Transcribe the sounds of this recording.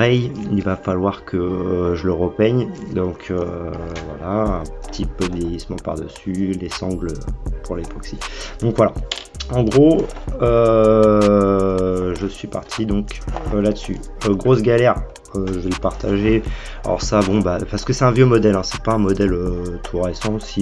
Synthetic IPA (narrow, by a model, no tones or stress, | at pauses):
ʁɛjivafalwaʁkʰəʒələʁəpɛɲd̪ɔ̃kʰøvwa̰laɛ̃pə̥t̪ʰipød̪əvjɛjismɑ̃pa̰ʁd̪əsylesɑ̃ɡløpʰuʁlepɔksid̪̥ɔ̃kvwala | ɑ̃ɡʁoø | ʒəsɥipaʁt̪ʰid̪ɔ̃kølad̪əsy̰ | øɡʁosɡʲalɛʁ | øʒəvɛləpaʁt̪ʰaʒe | a̰ɔ̰ʁsabɔ̃bapaʁsə̥kəsɛt̪ɛ̃vjømɔd̪ɛlɛ̃sɛ̥paɛ̃mɔd̪ɛløt̪ʰuʁesɑ̃osi